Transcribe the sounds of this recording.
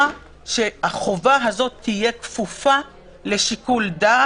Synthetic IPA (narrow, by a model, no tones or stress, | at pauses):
ʃe̞aχovaɦazo̞tʰːije̞kfufa | le̞ʃikulda